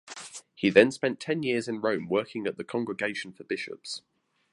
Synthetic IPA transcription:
hiðə̃nspɛ̃ntʰɛ̃njɪəzɪ̃nɹə̃ʊ̃mwɜˑkɪ̃ŋəʔðəkʰɒ̃ŋɡɹɪɡeɪʃə̃nfəb̥ɪʃə̰ps

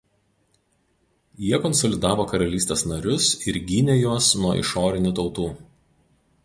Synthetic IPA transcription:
jiɛkɔnsɔlʲɪd̪ɑːʋoːkɐɾɐlʲiːsʲt̪ʲeːsnɐɾʲʊsɪɾɡʲinʲɛjuːsnuɔɪ̰ʃoːɾʲɪnʲʊt̪ɒʊt̪uː

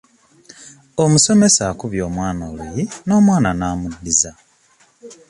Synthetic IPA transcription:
omuso̞me̞sakuβjo̞ːmwaːnalweno̞ːmwaːnanaːmudːiza

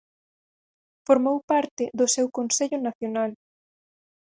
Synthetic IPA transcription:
foɾmowpaɾt̪ɪðʊsewkonseʎʊnaθjonal

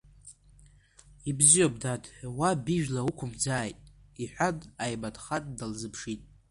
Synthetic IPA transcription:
ibzijobʼdadʰʼwabɪʒᶣlaukʷʰʊmd͡zaːjtʼiħʷᶣadʼajbadʼχatʼdalzɨpʰʂitʼ

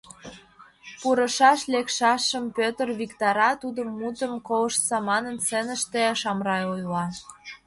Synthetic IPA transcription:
puɾə̆ʃɑʃlekʃɑʃːəmpøt̪ərβikt̪ɑɾɑt̪ud̪əmːut̪əmkowəʃt͡sɑmɑnə̆nsənə̆ʃt̪eʃɑmrɑjojlɑ

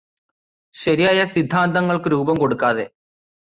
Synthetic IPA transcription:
ɕɐɾijaːjɐsid̪ʱːaːnd̪ɐŋːɐɭkɨɾuːbɐmko̞ɽukːaːðe̞

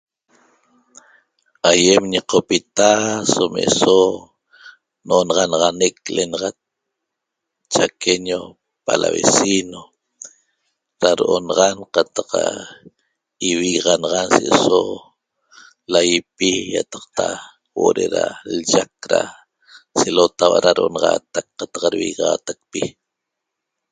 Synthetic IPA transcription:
ajemɲiqopit̪asomḛso | noʔonɑʁɑnɑʁɑnek̚lʔenɑʁɑt̪̚ | t͡ʃakʰeɲo | pala̰βḛsino | ɾaɾoʔonɑʁɑnqɑt̪ɑqa | iwiɣʁɑnɑʁɑnseʔeso | lajipijat̪ɑqt̪a | wʔoʔɾeɾald͡ʒak̚ɾa | selot̪awaɾaɾoʔonɑʁɑːt̪ak̚qːat̪ɑ̥qɾwḭɣʁɑːt̪ak̚pi

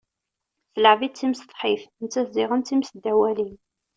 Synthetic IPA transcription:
θələʕvit͡sːimst̪ˤħifnt͡sːæθzɪʁənt͡s̪ːimsd̪ːæwælin

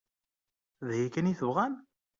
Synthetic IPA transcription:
ðhikæniθəvʁæn

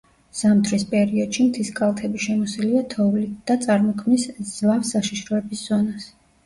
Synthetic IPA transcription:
z̥amt̪ʰɾispʼɛɾiɔd̪̥ʃimt̪ʰiskʼalˠt̪ʰɛbiʃɛmɔsiliat̪ʰɔvlid̪̥at̪sʼaɾmɔkʰmnisz̥lˠafsaʃiʃɾɔɛbisz̥ɔnas

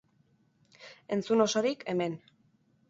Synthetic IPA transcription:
e̞nt͡suno̞so̞ɾikʰe̞me̞n

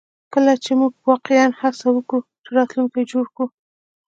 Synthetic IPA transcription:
kəlat͡ʃemuɡ̚wɑqɪjanhasawəkut͡ʃəɾɑt̪luŋkajd͡ʒoɽku

